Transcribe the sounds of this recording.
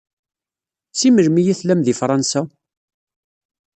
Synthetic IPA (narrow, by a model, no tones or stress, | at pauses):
t͡sːiməɾmijiθlæmðifɾˤɑnsa